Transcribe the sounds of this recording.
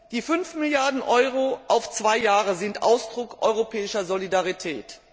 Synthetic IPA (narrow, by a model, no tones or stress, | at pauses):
d̥iːfʏnfmɪljaɐdn̩ʔɔʏʁoʔaʊft͡sv̥aɪjaːʁəzɪntʔa̰ʊsd̥ʁʊkʔɔʏʁopʰɛːɪʃɐzolidaʁitʰɛ̰ːt